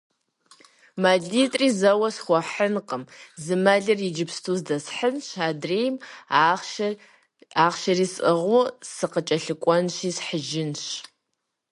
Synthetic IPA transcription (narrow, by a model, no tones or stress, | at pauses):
maːɮiːtʼriːzɐwɐsxʷɔħənqəmzɨmɐɮɐrid͡ʒɪpstʰuːzdɐsħənɕaːdreːjm | aːʁʃɐriːsʼɨʁʷʊsɨqət͡ʃʼɐɬɨkʷʼɔnʃiːsħəʒɪnɕ